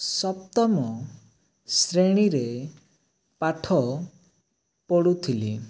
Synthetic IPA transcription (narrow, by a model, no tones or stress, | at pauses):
sɔpt̪ɔmɔ | sɾeɽ̃iɾe | paʈʰɔ | pɔɽut̪ʰili